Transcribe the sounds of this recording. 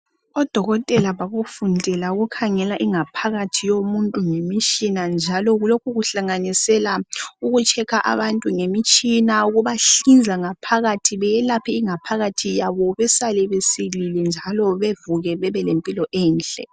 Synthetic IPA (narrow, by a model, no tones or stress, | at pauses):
ɔd̥ʱɔɣɔtʼɛlaβaɣufundʱɛlauɣukʰaŋɛlaʔiŋapʰaɣatʰijomuntʼuŋemit͡ʃʼinand͡ʒʱalɔɣulokʰuɣuɬaŋanisɛlauɣut͡ʃʰɛkʰaʔa̰βantʼuŋemit͡ʃʼinauɣuβaɬind͡zʱaŋapʰaɣatʰiβɛjɛlapʰɛiŋapʰaɣatʰijaβɔβɛsalɛβesililɛnd͡ʒʱalɔβevuɣɛβɛβɛlempʼilɔʔɛːnɬʼɛ̰